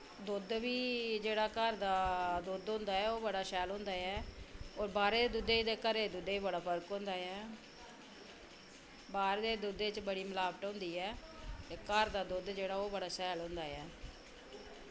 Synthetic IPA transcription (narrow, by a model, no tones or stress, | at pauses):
d̪ʊd̪ʋiːd͡ʒeːɽaːkəɾd̪aːd̪ʊd̪ɦʊ̃ːnd̪aːɛːoːbəɽaːsɛːlɦʊ̃ːnd̪aːɛːoːɾbaːɾeːd̪eːd̪ʊd̪eːd̪eːkəɾeːd̪ʊd̪eːiːbəɽaːpʰəɾkɦʊ̃ːnd̪aːɛː | baːɾeːd̪eːd̪ʊd̪eːt͡ʃbəɽiːməlaːbəʈɦõːnd̪iːɛːt̪eːkəɾd̪aːd̪ʊd̪d͡ʒeːɽaːoːbəɽaːsɛːlɦʊ̃ːnd̪aːɛː